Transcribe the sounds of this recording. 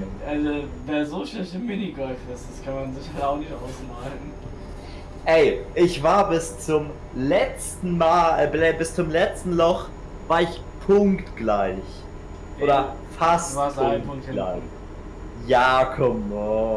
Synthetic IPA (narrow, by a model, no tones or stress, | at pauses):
ʔazoveɐzoʃlɪçtɪmɪniɡɔlfɪstd̥askʰanmanzɪçhaltaʊxnɪçtʔa̰ʊsmaːln̩ | ʔɛɪʔɪçv̥aːɐbɪst͡sʊm | lɛt͡stn̩maːlɛbɪst͡sʊmlɛt͡stn̩lɔχ | v̥aːɐɪç | pʰʊŋktɡ̥laɪç | ʔoːdɐfasaspʰʊŋɡla̰ɪ | jaːkʰɔmɔ